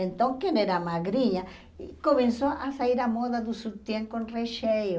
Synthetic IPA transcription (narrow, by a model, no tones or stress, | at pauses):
ẽnt̪õŋkeneɾamaɣɾiɲa | ikomẽnsoʔasaiɾamoðaðusut̪jẽŋkõnreʃejo